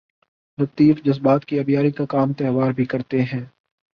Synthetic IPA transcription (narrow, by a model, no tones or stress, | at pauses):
lɐt̪iːfd͡ʒɐzbaːt̪kiɐbijaːɾikakaːmt̪ɛːɦʋaːɾbʱikɐɾt̪eɦɛ̃ː